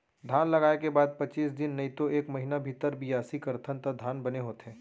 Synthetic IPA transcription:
d̪ʱaːnlɐɡaːekebaːd̪̚pɐt͡ʃiːs̬d̪ɪnːɐit̪oʔeːkmɐɦinabʱit̪əɾbʱijaːsikɐɾt̪ʰənt̪əd̪ʱaːnbɐneɦoːt̪eɦɛ̃ː

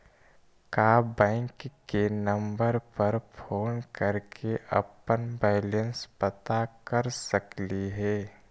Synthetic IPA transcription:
kaːbɛ̃ːŋkːenɐ̃mbəɾpəɾpʰoːnkəɾkʰeʔɐ̰pənbɛːlə̃nspɐt̪akɐɾsəkliɦɛː

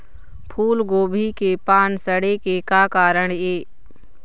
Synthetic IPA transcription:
pʰuːlɡoːbʱikepaːnsəɽekekaːkaːɾəɳ̃eː

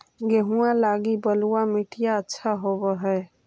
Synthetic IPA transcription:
ɡeɦuãlaɡibəluamiʈʰijaətːʃʰaɦobɛɦɛe

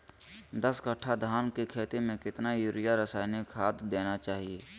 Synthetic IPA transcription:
d̪əskəʈʰːad̪ʱaːnkekʰeːt̪emẽkɪt̪najʊɾɪjaɾəsaːɪnekʰaːt̪d̪eːnat͡ʃaːɦieː

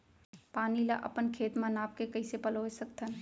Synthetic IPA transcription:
paːnila̰ʔə̰pənkʰeːt̪manaːp̚kekəɪsepəlosəkt̪ʰən

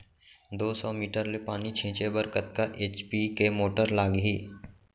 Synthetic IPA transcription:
d̪oːsɔːmiːʈəɾlepaːnit͡ʃʰẽːt͡ʃebəɾkət̪kaʔeːt͡ʃpikemoːʈəɾlaːɡɦiː

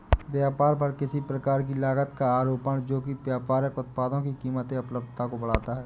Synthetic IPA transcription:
ʋjaːpaːɾpɐɾkɪsipɾəkaːɾkilaːɡət̪kaaːɾoːpəɽ̃d͡ʒoːkipjaːpaːɾəkʊt̪̚paːd̪õkikiːmət̪ẽʊpləb̚d̪ʱt̪akobəɽaːt̪aɦɛː

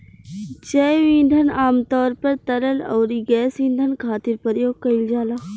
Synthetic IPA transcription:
d͡ʑɐʋĩːn̆ɖ̪ʱən̆aːmt̪ɔːɾpɐɾt̪ɐɾəlɔːɾiɡɛːsĩːnd̪ʱənkʰaːt̪ɪɾpəɾjoːɡkːɐild͡ʑaːlaː

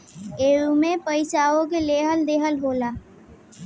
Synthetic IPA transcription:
eːumẽpəɪsaːõk̬eleːɦəld̪eːɦəlɦoːlaː

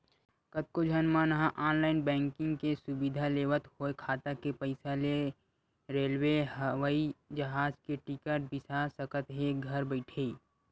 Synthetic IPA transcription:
kət̪̚kod͡ʒʱənmãnɐɦãʔaːnlaːɪnbɛ̃ːŋkɪ̃ŋɡkesʊbɪd̪ʱaleːʋət̪hoekʰaːt̪akepəɪsale | ɾeːlweɦəʋaid͡ʒɐɦaːd͡ʒkeʈɪkəɾʈ̚bɪsasəkət̪ɦeɡʱəɾbəɪʈʰeː

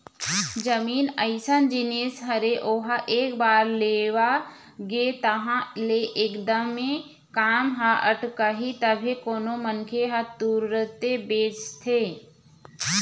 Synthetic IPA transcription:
d͡ʒəmiːnəɪsənd͡ʒɪneːsɦɐɾeʔoːɦaʔeːkbaːɾleːʋa | ɡeːt̪ɐɦãleʔeːkd̪əmːẽ | kaːmɦaəʈkaɦit̪əbʱekoːnomənkʰeɦat̪uːɾɾət̪ebeːt͡ʃt̪ʰeː

